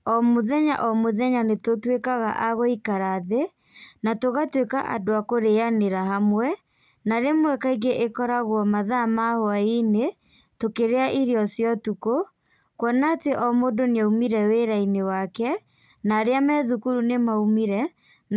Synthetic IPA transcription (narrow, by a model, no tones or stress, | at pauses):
ɔmoðɛɲa̰ʔɔmoðɛɲanetotwekaɣa̰ʔaɣoikaɾaðe | natoɣatwekaʔa̰doakoɾeaneɾaɦamwɛ | naɾemwɛkaiɡeʔekɔɾaɣwɔmaðamahoaine | tokeɾeaʔiɾeɔsjɔtuko | kwɔnateʔɔmodoneaumiɾɛweɾainewakɛ | naɾeamɛðukuɾunemaumiɾɛ